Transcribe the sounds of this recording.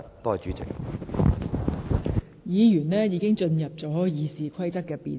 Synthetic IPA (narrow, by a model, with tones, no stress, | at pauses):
t̪ɔː˧jt͡ʃyː˨˥t͡sɪ̰˨k̚ | jiː˨˧jyː˨˩nlɛː˥jiː˨˧kɪ˥ŋt͡ʃɵ˧njɐ˨p̚t͡sɔː˨˥jiː˨siː˨kʰɐ˥jt͡sɐ˥k̚ːɛː˧pḭː˨n